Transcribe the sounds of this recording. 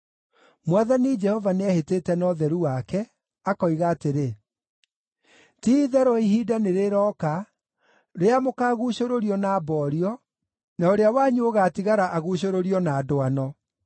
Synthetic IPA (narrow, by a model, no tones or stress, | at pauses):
mwaðanid͡ʒɛhɔvaneaheteːtɛnɔðɛɾuwakɛ | akɔiɣaːteɾe | tiːðɛɾɔiɦidaneɾeɾɔːka | ɾeamokaːɣuɕoɾoɾiɔnabɔːɾiɔ | naoɾeawaɲuoɣaːtiɣaɾaʔaɣuɕ̬oɾoɾiɔnaːdoanɔ